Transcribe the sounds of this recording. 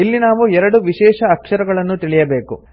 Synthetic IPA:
ilːinaːʋuɛɾɐɽuʋiʃɛːʂɐːkʂɐɾɐɡɐɭɐnːut̪iɭijɐbe̞ːkṵ

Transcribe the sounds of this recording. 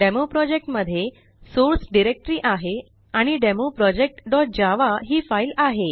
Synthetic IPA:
ɖemopɾɔd͡ʑek̚ʈməd̪ʱːje | soɾsɖiɾek̚ʈɾiːʔaɦe | aɽ̃iɖemopɾɔd͡ʑek̚ʈɖɔʈ̚d͡ʑaʋaɦiːfailaɦe

